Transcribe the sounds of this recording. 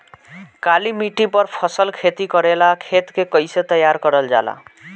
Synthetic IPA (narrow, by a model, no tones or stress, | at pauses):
kalimiʈipʌɾpʰʌsəlkʰet̪ikʌɾelakʰet̪kekʌjset̪ʌjaɾkʌɾəld͡ʒa̰la̰